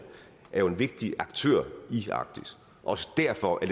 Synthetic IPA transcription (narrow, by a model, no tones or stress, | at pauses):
æɐjo̝e̝nʋe̝ɡ̥̚d̥iɑ̈ɡ̥t͡sʰø̰ɐ̰iɑ̈ɡ̥d̥is | ʔɒ̽sə̥d̥æɐfɒ̽ʔæɐd